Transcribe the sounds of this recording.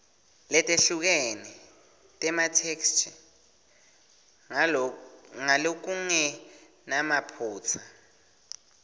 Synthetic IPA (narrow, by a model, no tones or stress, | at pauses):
lɛtʼeɬuk̬ɛni | tʼɛmatʰekstʰ | ŋalok̬uŋɛ | namapʰuːt͡sʰa